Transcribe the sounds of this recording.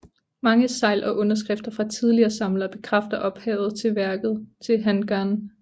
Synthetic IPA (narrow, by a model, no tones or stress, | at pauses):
mɑ̈ŋəsɑ̈ɪlʔɒ̽ʔɔ̽nɐs̬ɡ̥ʁɛfd̥ɐfʁɑ̈t͡sʰið̞ˠliɐːsɑ̈mlɐb̥e̝kʰʁafd̥ɐʔɒ̽b̥hɛ̰ːʊð̞̩ˠt͡sʰe̝lʋæɐɡ̥ð̞̩ˠt͡sʰe̝lɦænɡ̥æɐn